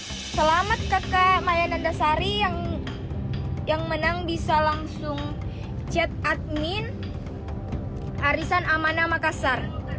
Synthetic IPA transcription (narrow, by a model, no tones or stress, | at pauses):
səlamat̪̚kakamajanandasaɾijaŋ | jaŋmənaŋbisalaŋsʊŋ | t͡ʃɛt̪̚at̪̚min | aɾisanamanamakasar